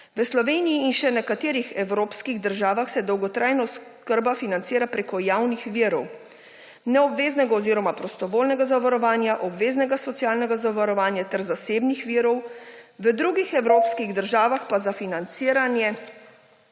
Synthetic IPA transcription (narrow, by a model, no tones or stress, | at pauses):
ʋəslɔʋeːnijiːnʃɛnɛkat̪eːɾixɛwɾoːpskiɣd̪əɾʒaːʋaxsɛd̪ɔwɡɔt̪ɾʔajnɔskəɾbafinantsiːɾapɾeːkɔjaːwnixʋiːɾɔw | nɛɔbʋeːznɛɡaɔziːɾɔmapɾɔst̪ɔʋoːlnɛɡazaʋaɾɔʋaːnjaʔɔbʋeːznɛɡasɔt̪sijaːlnɛɡazaʋaɾɔʋaːnjat̪ɛɾzaseːbnixʋiːɾɔwʋəd̪ɾuɡixɛwɾoːpskiɣd̪əɾʒaːʋaxpazafinant̪siːɾanjɛ